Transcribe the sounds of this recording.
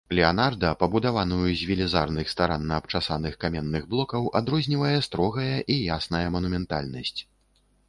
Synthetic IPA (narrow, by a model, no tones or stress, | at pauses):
lʲɛanard̪ɐpɐbud̪avanujuzʲvʲilʲizarnɨxst̪aɾanːɐːp̚t͡ʂasanɨxkamʲɛnːɨɣblˠɔkɐwʔad̪ɾɔzʲnʲivɐjɛst̪ɾɔɣɐjɐʔijasnɐjɐmɐnumʲɛnt̪a̰lʲnɐsʲt͡sʲ